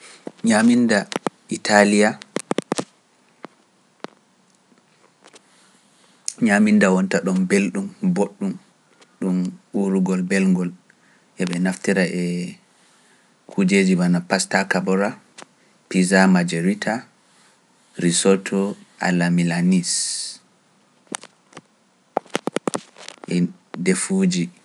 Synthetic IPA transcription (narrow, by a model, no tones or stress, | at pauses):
ɲaminda | itʰalija | ɲamindawɔntaɗɔmbelɗumboɗːum | ɗumɓuɾuɡɔlbelŋɡɔl | ʔɛɓɛnaftiɾaʔɛ | kʰud͡ʒed͡ʒibanapastakabɔɾa | pizamad͡ʒeɾitʰa | ɾisɔtʰɔʔa̰lamilanis | ʔɛ | defud͡ʒi